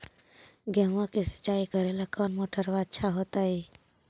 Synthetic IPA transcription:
ɡɛ̃ɦãkisə̥t͡ʃːaːikəɾelakɔːnmoːʈʰəɾʋad̪t͡ʃʰaɦot̪ai

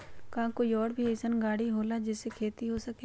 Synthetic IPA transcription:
kãːkoːiɔːɾbʱieːsənɡaːɽiɦoːlad͡ʒɪsekʰeːt̪iɦoːsəkeː

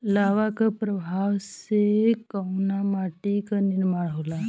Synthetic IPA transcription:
laʋakapɾəbʱaʋsekawnamaʈikəniɾmaɭəʋla

